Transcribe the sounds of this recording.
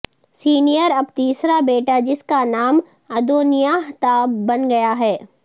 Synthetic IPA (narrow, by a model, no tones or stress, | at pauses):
siːnijəɾɐbt̪iːsɾabeːʈad͡ʒɪskanaːm | ɐd̪oːnijaːɦt̪aːbːɐnɡɐjaɦɛː